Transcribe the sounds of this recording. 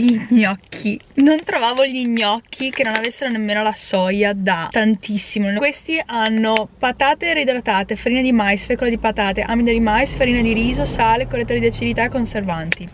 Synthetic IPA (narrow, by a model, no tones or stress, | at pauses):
ʎiɲːɔkʰːinont̪ɾovaːvoʎiɲːɔk̟ːikenːonavesːeɾonemːeːnolasɔjad̪at̪ant̪isːimokwest̪iʔanːopat̪aːt̪eɾid̪olat̪aːt̪efeɾiːned̪imajsfekːolad̪ipat̪aːt̪eʔamid̪ad̪imajsfeɾiːned̪iɾiːzosaːlekoret̪oɾed̪et͡ʃːilit̪aekːonservant̪i